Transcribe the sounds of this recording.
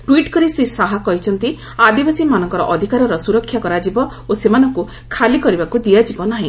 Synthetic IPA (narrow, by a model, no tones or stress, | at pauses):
ʈwiʈkɔɾisɾisaɦakɔɦit͡ʃʰɔnt̪i | ad̪ibasimanɔŋkɔɾɔʔd̪ʱikaɾɔɾɔsuɾɔkʰːjakɔɾad͡ʒibɔ | osemanɔŋku | kʰalikɔɾibakud̪ijad͡ʒibɔnaɦĩ